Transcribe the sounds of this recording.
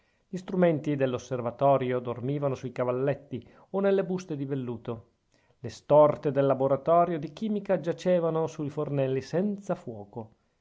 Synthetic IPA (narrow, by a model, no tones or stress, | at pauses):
ʎist̪ɾument̪id̪elːosːervat̪ɔːɾjod̪ormiːvanosuikavalːet̪ːi | onelːebust̪ed̪ivelːuːt̪o | lest̪ɔrt̪ed̪elːaboɾat̪ɔːɾjod̪ik̟iːmikad͡ʒat͡ʃeːvanosuifornɛlːisɛnt̪safwɔːko